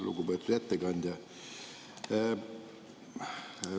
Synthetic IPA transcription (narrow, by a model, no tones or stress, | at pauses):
lṵɡubeːt̪ːˑud̪̥æt̪ːekɑnd̪jɑ